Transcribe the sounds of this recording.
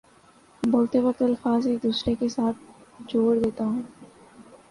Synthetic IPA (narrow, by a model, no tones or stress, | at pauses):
boːlt̪ebət̪əlfaːzeːk̚d̪uːsɾekesaːt̪̚ʰd͡ʒoːɾd̪eːt̪aɦũː